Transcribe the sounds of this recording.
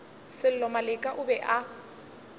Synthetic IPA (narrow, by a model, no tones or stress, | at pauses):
sɪl̩lɔmalɪkʼaʔʊbɛʔa